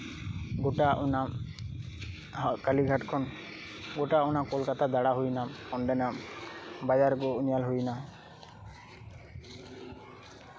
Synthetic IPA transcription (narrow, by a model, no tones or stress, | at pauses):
ɡoʈaʔuna | kaliɡʱaʈkʰɔn | ɡoʈaɔnakolkat̪ʰad̪aɽaɦujnamɔnɖɛnambad͡ʒaɾkɔunijalɦujna